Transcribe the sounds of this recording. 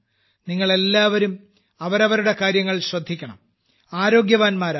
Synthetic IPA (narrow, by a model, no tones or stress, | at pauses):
niŋːɐɭe̞lːaːʋɐɾum | ɐʋɐɾɐʋɐɾuɽe̞kaːɾjɐŋːɐɭɕrɐd̪ʱːikʲːɐɳɐ̰m | aːɾo̞ːɡjɐʋaːnmaːɾ